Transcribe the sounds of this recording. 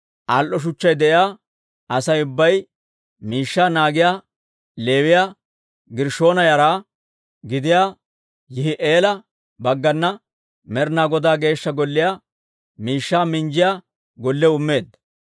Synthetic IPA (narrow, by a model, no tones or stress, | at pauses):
ʔalʔɔʃ̬ʊt͡ʃːɐjd̪ɛʔɪjaː | ʔɐsɐjʊbːɐj | miːʃːaːnaːɡɪjaː | le̞ːwɪjaː | ɡɪɾʃo̞ːnɐjɐɾaː | ɡɪd̪ɪjaː | jɪhɪʔeːlɐ | bɐɡːɐnːɐ | mɛɾnaːɡɔd̪aːɡe̞ːʃːɐɡɔlːɪjaː | miːʃːaːmɪnd͡ʒɪjaː | ɡɔlːɛʊmːe̞ːd̪ːɐ̥